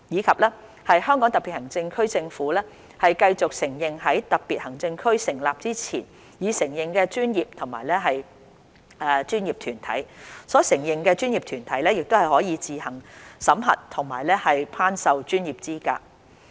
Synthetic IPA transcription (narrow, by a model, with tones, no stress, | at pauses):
jiː˨˧kʰɐ˨p̚lɛː˥ | hɐ˨jhœː˥ŋkɔ˨˥ŋt̪ɐ˨tpːi˨t̚hɐ˨˩ŋt͡sɪ˧ŋkʰɵ˥ɥt͡sɪ˧ŋfuː˨˥lɛː˥ | hɐ˨jkɐ˧jt͡sʊ˨k̚sɪ˨˩ŋjɪ˨˩ŋɦɐ˨˥jt̪ɐ˨˩k̚piː˨t̚hɐ˨˩ŋt͡sɪ˧ŋkʰɵ˥ɥsɪ˨˩ŋlaː˨p̚t͡siː˥t͡sʰiː˨˩n | jiː˨˧sɪ˨˩ŋjɪ˨ŋkɛː˧t͡ʃyː˥njiː˨p̚t̪ʰʊ˨˩ŋma̰ː˨˩jlɛː˥ɦɐ˨j | ɛ˧t͡ʃyː˥njiː˨p̚t̪ʰyː˨˩nt̪ʰɐ̰˨˥jsɔː˨˥sɪ˨˩ŋjɪ˨ŋkɛː˧t͡ʃyː˥njiː˨p̚t̪ʰyː˨˩nt̪ʰɐ˨˥jlɛː˥jɪ˨k̚t̪o˥whɐ˨jhɔː˨˥jiː˨˧t͡siː˨hɐ˨˩ŋsɐ˨˥mɦɐ̰˨t̚t̪ʰʊ˨˩ŋmaː˨˩jlɛː˥hɐ˨jpʰaː˥nsɐ˨wt͡ʃyː˥njiː˨p̚t͡siː˥ka̰ː˧